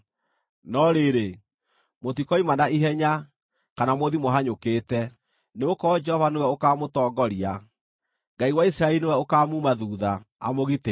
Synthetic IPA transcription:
nɔɾeɾe | motikɔimanaiɦɛɲa | kanamoðimoɦaɲokeːtɛ | neokɔd͡ʒɛhɔvanewɛokaːmotɔːɡɔɾia | ŋɡaiwaisɾaɛlinewɛokaːmumaðuːðaa̰moɣite

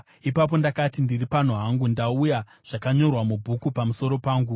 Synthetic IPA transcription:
ipap̬o̞ndakatindiripan̤uɦaŋɡundauja | ʐ̥akaɲo̞rwamubʱukupamuso̞ɾo̞paːŋɡu

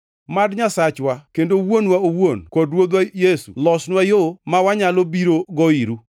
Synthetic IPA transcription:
madɲasat͡ʃwakendowonwaowonkodwod̪wajesṵlɔsnwajomawaɲalobiɾoɡɔiɾu

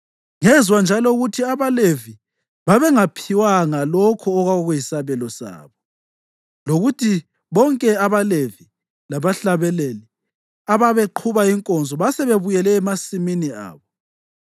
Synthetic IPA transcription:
ŋɛzwand͡ʒʱalɔuɣutʰiaβalevi | βaβɛŋapʰiwaŋalɔkʰɔːɣwaɣɔɣujisaβɛlɔsa̰ːβɔ | loɣutʰi | βɔŋkʼɛaβalevi | laβaɬaβɛleli | aβaβeǃʰuβaiŋkʼɔnd͡zʱɔβasɛβeβujɛlɛːmasiminia̰ːβɔ

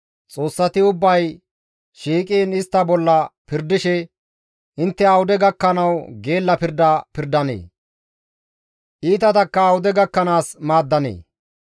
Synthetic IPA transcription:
t͡sʼo̞ːsːɐt̪ɪʊbːɐj | ʃiːkʼiːnɪst̪ːɐbɔlːɐpɪɾd̪ɪʃɛ | ʔɪnt̪ːɛɐwʊd̪ɛɡɐkːɐnɐwɡe̞ːlːɐpɪɾd̪ɐpɪɾd̪ɐnḛː | ʔiːt̪ɐt̪ɐkːɐːwʊd̪ɛɡɐkːɐnaːsmaːd̪ːɐnḛː

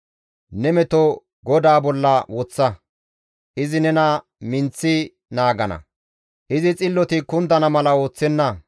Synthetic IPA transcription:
nɛmɛt̪ɔ | ɡɔd̪aːbɔlːɐwɔt͡sːɐ | ʔɪzɪnɛnɐ | mɪnt͡sːɪ | naːɡɐnɐ̰ | ʔɪzɪt͡sʼɪlːɔt̪ɪkʊnd̪ɐnɐmɐlɐo̞ːt͡sːɛnːɐ

